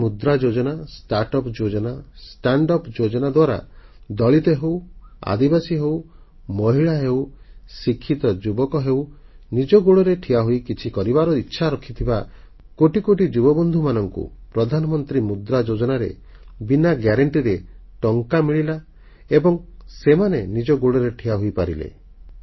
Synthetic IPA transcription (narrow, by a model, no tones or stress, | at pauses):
mud̪ɾad͡ʒod͡ʒɔnasʈaɾʈɔpd͡ʒod͡ʒɔnasʈaɳɖɔpd͡ʒod͡ʒɔnad̪waɾa̰d̪ɔɭit̪ɔɦewa̰d̪ibasiɦew | mɔɦiɭaɦewsikʰːit̪ɔd͡ʒubɔkɔɦewnid͡ʒɔɡuɭɔɾeʈʰiaɦuikit͡ʃʰikɔɾibaɾɔitːʃʰaɾɔkʰit̪ʰiba | koʈikoʈid͡ʒubɔbɔnd̪ʱumanɔŋkṵpɾɔd̪ʱanɔmɔnt̪ɾimud̪ɾad͡ʒod͡ʒɔnaɾḛ | binaɡjaɾeɳʈiɾeʈɔŋkamiɭila | ebɔŋsemanenid͡ʒɔɡuɭɔɾeʈʰiaɦujpaɾilḛ